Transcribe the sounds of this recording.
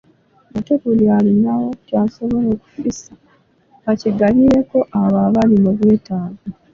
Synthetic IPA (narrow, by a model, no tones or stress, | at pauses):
matepulialinawo̞tjaso̞βo̞loku̥fisḁ | βaciɡaliɾe̞ko̞ʔaβaβalimuβwe̞ːtaːɡo